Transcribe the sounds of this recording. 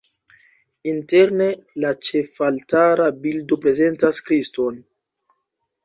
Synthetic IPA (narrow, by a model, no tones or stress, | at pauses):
inte̞ɾnelat͡ʃe̞faltaɾabildo̞pɾe̞ze̞ntaskɾisto̞n